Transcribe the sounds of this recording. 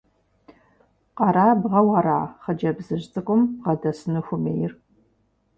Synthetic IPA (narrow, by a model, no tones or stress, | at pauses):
qɑɾaːbʁɐwɐɾa̰ːχəd͡ʒɐbzɨʑt͡sʼɨkʷʼʊmʁɐdɐsɨnɨxʷʊmeːjɪr